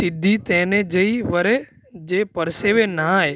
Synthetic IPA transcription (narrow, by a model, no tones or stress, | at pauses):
sɪd̪ʱit̪ɛ̃ːnẽd͡ʒɐiʋəɾe | d͡ʒeːpəɾseːʋenaɦe